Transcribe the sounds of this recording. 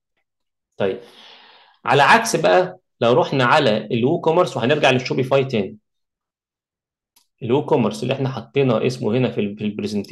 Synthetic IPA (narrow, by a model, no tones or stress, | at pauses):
t̪ˤɑjːeb̥̚ | ʕa̰læʕaksbæʔæ | læwɾˤoħnæʕalæʔelwuːkomeɾˤswehæneɾɡaʕleʃːuːbifɑjt̪æːni | ʔelwuːkomeɾselːiʔeħnæħɑt̪ˤːeːnɑʔesmohenæfifilbɾezent̪